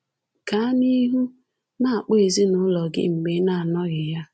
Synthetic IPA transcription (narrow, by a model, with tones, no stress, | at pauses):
ka˨˦ni˦ɦu˦ | na˦a˨k͡pe˦˨e˨zi˦nʊ˦lɔ˨ɡɪ̰˦ŋ͡m̩˨ɡ͡be˨˦na˨a˨nɔ˦ɣɪ˨ja˦